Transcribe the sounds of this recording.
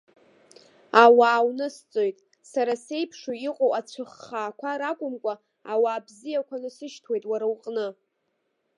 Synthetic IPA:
awaːwnɨst͡sʼo̞jtʼ | saɾase̞jpʰʂoiqʷʼowat͡ɕʷʰɨχːaːkʷʰaɾakʷʼʊmkʷʼa | awaːbzijakʷʰanɨsɨʃtʰwe̞jtʼwaɾawqʼnɨ

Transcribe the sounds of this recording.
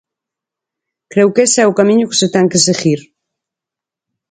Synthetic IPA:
kɾɛwkesɛukamiɲuke̥set̪ɛŋkeseɣiɾ

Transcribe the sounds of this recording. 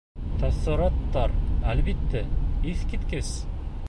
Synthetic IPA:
t̪ɑsɤ̆ɾɑt̪ːɑɾælbit̪ːæiθkit̪kɘs

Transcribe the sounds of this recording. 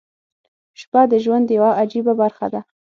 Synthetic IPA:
ʃpad̪əʒwand̪jawaʔad͡ʒibabaɾxad̪a

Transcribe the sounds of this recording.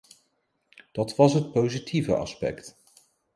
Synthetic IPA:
d̥ɑtʋɑsɦət̚powzitʰivə̰ʔɑ̰spɛ̰kt

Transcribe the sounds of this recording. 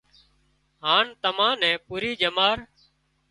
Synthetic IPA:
ɦaːnt̪əmãːnɛ̃ːpuːɾiːd͡ʒəmaːɾ

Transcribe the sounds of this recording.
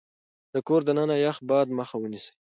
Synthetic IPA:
d̪̥əkoɾd̪ənənajax̚bɑd̪məxawənise̥

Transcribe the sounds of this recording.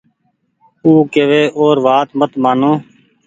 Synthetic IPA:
uːkeːʋeːʔoːɾʋaːt̪mət̪maːnõː

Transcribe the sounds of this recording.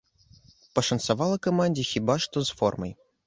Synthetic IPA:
pəʂɐnsɐvalˠɐkɐmanʲdʲixʲibaʂt̪ɔzfɔ̰rmɐ̰j

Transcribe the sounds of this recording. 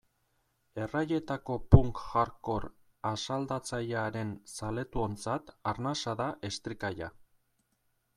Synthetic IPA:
e̞raje̞t̪ako̞puŋkʝaɾko̞ɾ | asald̪at͡saʎaɾe̞nsale̞t̪uo̞nt͡sat̪aɾnasaðaʔe̞st̪ɾikaja

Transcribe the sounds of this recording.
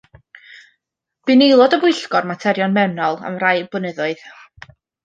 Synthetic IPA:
b̥ɨnelˠɔdəbʊɨɬɡɔrmatʰɛɾjɔnmɛwnɔlˠə̰mrajbʊnəðʊɨð̥

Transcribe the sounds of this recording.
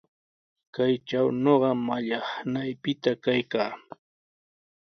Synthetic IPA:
kajt͡ʃawnoɢɑmaʎɑχnajpɪt̪akajkaː

